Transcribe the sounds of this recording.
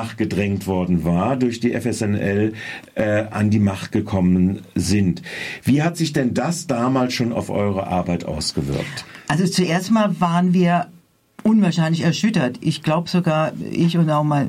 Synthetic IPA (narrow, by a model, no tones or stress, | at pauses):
aχt̚ɡ̥ədʁɛŋktv̥ɔɐdn̩vaːɐdʊɐçd̥iːʔɛfɛsɛnʔɛlʔɛʔandiːmaχt̚ɡ̥əkʰɔmənzɪntv̥iːɦatz̥ɪçd̥ɛndasd̥aːmaːlsʃoːna̰ʊfʔɔ̰ʏʁə̰ʔa̰ɐbaɪtʔa̰ʊsɡ̥əvɪ̰ɐktʔalzot͡suʔeːɐstmaːlvaːʁənviːɐ | ʔʊnvaɐʃaɪnlɪçɛɐʃʏtɐtʔɪçɡ̥laʊbəz̥oɡaːɐʔɪ̰çʊntaʊxmaɪn